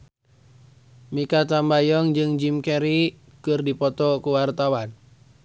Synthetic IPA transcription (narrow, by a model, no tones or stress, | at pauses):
mikat̪ambajɔŋd͡ʒɨŋd͡ʒimkɛɾi | kɨrdipɔt̪ɔkuwart̪awan